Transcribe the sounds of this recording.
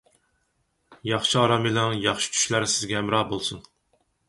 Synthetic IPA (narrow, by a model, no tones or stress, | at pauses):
jɑχʃiɑɾɑmelˠɛŋjɑχʃi̥t͡ʃʰy̥ʃlæɾsɪzɡʲɛæmɾɑːbolˠsun